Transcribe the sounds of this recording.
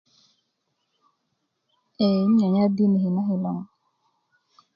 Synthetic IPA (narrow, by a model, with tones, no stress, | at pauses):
e˨˦ɲɔ˨ɲa˦di˦ni˨hi˨na˦ɦi˨lɔ˨ŋ˨